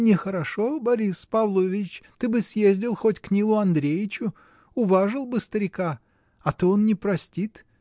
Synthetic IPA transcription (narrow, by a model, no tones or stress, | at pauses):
nʲɪxəɾɐʂobɐɾʲispavlˠovʲɪt͡ɕt̪ɨbɨsʲjezʲdʲɪlˠxotʲknʲilˠʊɐnd̪ɾʲejɪt͡ɕʊ | ʊvaʐɨlˠbɨst̪əɾʲɪka | ɐt̪oonnʲɪpɾɐsʲtʲit̪